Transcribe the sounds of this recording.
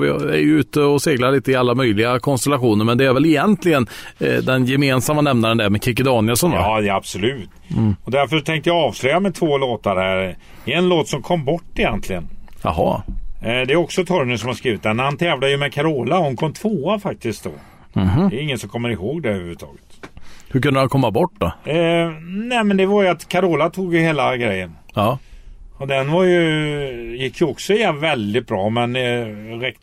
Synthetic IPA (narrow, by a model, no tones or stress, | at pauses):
vɪæ̰ɾjʉʉ̟ːt̪əɔseːɡlaɾɭiːt̪əɪalːamœjlɪɡakʰɔnst̪ɛlaɧuːnəɾmɛnd̪ɛæɾvɛlɪjɛnt̪lɪɡənd̪ɛnjɛmeːnsamːanɛmnaɾɛnd̪ɛmɛkʰɪk̬ɪd̪ɑːnɪəsɔnda̰ːd̪ɛab̥sɔlʉ̟ːt̪ːɔd̪æɾfœʂt̪ʰɛŋkt̪əjɑɑːvslœʏjamɛt̪ʰvoːloːt̪aɾhæɾ | ɛɛnloːt̪sɔmkʰɔmːbɔʈːɪjɛnt̪lɪɡənja̰hɑ̰ | d̪ɛæɾjɔksɔt̪ʰɔɾməsɔmhaɾskɾiːvɪt̪̚d̪ɛnhant̪ʰɛːvlad̪əjəmɛkʰaɾoːlahʊnkʰɔmːt̪ʰvoːafak̚t̪ɪsk̪̚d̪ɔ̰ | h̪ɛjɪŋːənsɔmkʰɔmːəɾɪhoːɡd̪ɛɾʉːʉt̪ʰɑ̰ːɡət̪hɵɾkʰɵnd̪əhankʰɔmːabɔʈːd̪ɔ | nɛːmɛnd̪ɛvaɾjɵat̪kʰaɾoːlat̪ʰuːɡjɵheːlaɡɾɛjːənː | ɔd̪ɛnvaɾjɵ | jɪkʰːjəɔksɔɪjvɛld̪ɪt̪̚bɾɑːmɛnɾɛkt̪